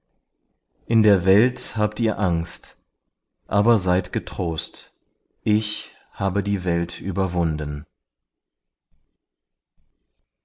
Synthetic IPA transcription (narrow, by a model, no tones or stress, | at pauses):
ʔɪndeːɐvɛlthaːptiːɐʔaŋst | ʔaːbɐzaɪtɡ̥ətʁ̥oːst | ʔɪç | haːbədiːvɛltʰʔy̰ːbɐvʊndən̩